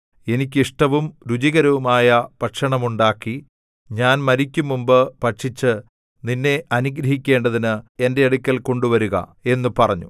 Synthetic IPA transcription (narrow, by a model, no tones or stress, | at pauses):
e̞nikʲːiʂʈɐʋumɾud͡ʑiɣɐɾɐʋumaːjɐpɐʈʂɐɳɐmuɳɖaːkːi | ɲaːnmɐɾikʲːumːumbɨpɐʈʂit͡ɕːɨ | ninːe̞ʔɐnuɡɾɐɦikʲːe̞ːɳɖɐðinɨe̞nde̞ɐɽukʲːɐlko̞ɳɖuʋɐɾuɣɐ̰e̞nːupɐrɐɲːṵ